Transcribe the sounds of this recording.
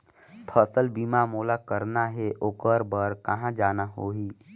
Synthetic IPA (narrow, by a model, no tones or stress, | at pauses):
pʰəsəlbiːmamoːlakəɾnaɦɛʔokəɾbəɾkɐɦãd͡ʒaːnaɦoːɦiː